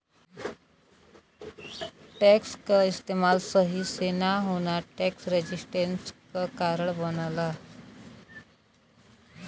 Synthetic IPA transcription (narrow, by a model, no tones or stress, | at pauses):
ʈɛkskaist̪emalsəɦisenaɦoɽ̃aʈɛksɾed͡ʑisʈenskakaɾəɳbənla